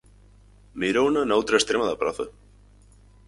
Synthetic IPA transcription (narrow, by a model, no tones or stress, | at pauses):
miɾownanawt̪ɾaest̪ɾemaðapɾaθa